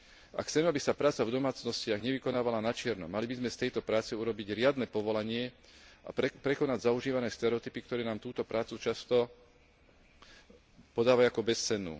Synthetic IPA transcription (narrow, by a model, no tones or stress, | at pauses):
ʔa̰kxt͡sɛmɛabisapɾaːt͡savd̪ɔmaːt͡snɔscɪaɣɲɛʋikɔnaːʋalanat͡ʃɪɛɾnɔ̰malibizmɛft̪ɛjt̪ɔpɾaːt͡sɛuɾɔbiɟɾɪad̪nɛːpɔʋɔlaɲɪɛʔa̰pɾɛkɔnaɟzauʒiːʋanɛːst̪ɛɾɛɔt̪ipikt̪ɔɾɛːnaːmt̪uːt̪ɔpɾaːt͡sut͡ʃast̪ɔ | pɔd̪aːʋaakɔbɛst͡sɛnːṵː